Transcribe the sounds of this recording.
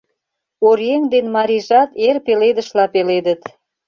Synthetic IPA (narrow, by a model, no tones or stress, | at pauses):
oɾjeŋd̪enmɑɾʲiʒɑt̪erpeled̪ə̆ʃlɑpeled̪ə̆t̪